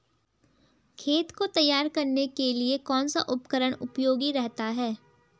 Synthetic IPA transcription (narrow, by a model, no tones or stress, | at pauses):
kʰeːt̪kot̪ɐjːaːɾkɐɾnekeliekɔːnsa̰ʔʊpkəɾəɽ̃ʊpjoːɡiɾɛɦt̪aɦɛː